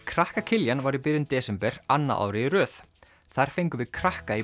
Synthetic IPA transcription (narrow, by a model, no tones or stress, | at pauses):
kʰɾahkacʰɪljanvaɾip̬ɪɾjʏnt̪ɛːsɛmpɛɾ̥anːa̰ʔa̰wɾɪirœːθ | θaɾ̥fejŋkʏvɪðkʰɾahkai